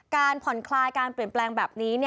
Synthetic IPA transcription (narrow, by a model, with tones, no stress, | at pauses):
kaː˧npʰɔ˨˩˦nkʰlaː˧jkaː˧npɾi˨˩ənplɛː˧ŋbɛː˨˩p̚niː˦˥ni˥˩